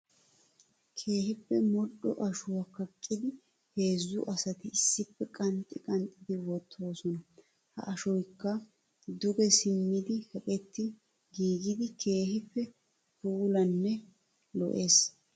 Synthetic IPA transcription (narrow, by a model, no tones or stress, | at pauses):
kʰe̞ːhɪpːɛmɔɗːɔ̰ʔɐʃʊwɐkːɐkʼːɪd̪ɪ | he̞ːzːʊʔɐsɐt̪ɪɪsːɪpːɛkʼɐnt̪ʼːɪkʼɐnt̪ʼːɪd̪ɪwɔt̪ʰːo̞ːsɔnɐ | hɐ̰ʔɐʃɔjkːɐ | d̪ʊɡɛsɪmːɪd̪ɪhɛpʼɛt̪ːɪ | ɡiːɡɪd̪ɪkʰe̞ːhɪpːɛ | puːlɐnːɛ | lɔ̰ʔe̞ːs